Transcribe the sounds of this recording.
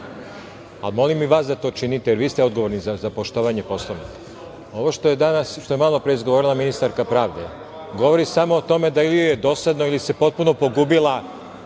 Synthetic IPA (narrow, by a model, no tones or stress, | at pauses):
a̰lmo̞limːiʋaːsd̪at̪o̞ːt͡ʃinit̪ejeɾʋiːst̪eo̞d̪ɡoʋo̞ɾnizazapo̞ʃt̪oʋaɲe̞po̞slˠoni | o̞ʋoʃt̪ojed̪anasʃt̪ojemalˠopɾe̞izɡoʋoɾilˠaminist̪aɾkapɾaːʋd̪e̞ | ɡo̞ʋo̞ɾisamo̞ːt̪o̞me̞d̪ailijojed̪o̞sad̪no̞ilise̞po̞t̪̚puno̞po̞ɡubilˠa